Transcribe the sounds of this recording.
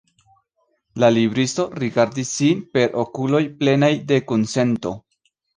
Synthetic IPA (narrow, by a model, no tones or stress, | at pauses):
lalibɾisto̞ɾiɡaɾdisːinpe̞ɾʔo̞kulo̞jple̞najde̞konse̞nto̞̰